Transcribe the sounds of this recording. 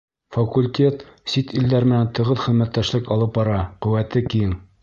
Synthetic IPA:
fɐkulʲt̪ʲe̞t̪sit̪ild̪æɾmɘ̆nænt̪ɤ̆ʁɤðχɘ̆ðmæt̪ːæʃlɘkɑlˠɤp̚bɑɾɑqɵ̆wæt̪ɘkiɘŋ

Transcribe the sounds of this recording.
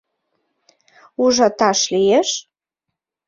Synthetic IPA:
uʒɑt̪ɑʃlijeʃ

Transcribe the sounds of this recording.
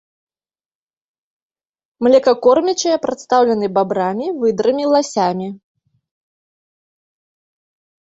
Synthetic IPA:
mlʲɛkɐkɔrmʲit͡ʃɐjɐpɾat̪st̪awlʲɐn̪ɨbabɾamʲivɨd̪ɾɨmʲilˠasʲamʲi

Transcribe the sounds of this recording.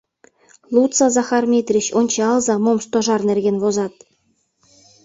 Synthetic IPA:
lˠut̪t͡sɑzɑχɑrmʲet̪ʲrʲiɕonʲt͡ɕɑɑlˠzɑmomst̪ŏʐɑrnʲerʲɡʲenvozɑt̪̚

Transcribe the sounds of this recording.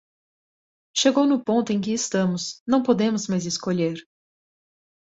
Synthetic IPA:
ʃeɡownʊpõnt̪ʊẽj̃k̬ɪːst̪ɐ̃mʊsnɐ̃w̃pod̪ẽmʊzmajzɪskoʎeɾ

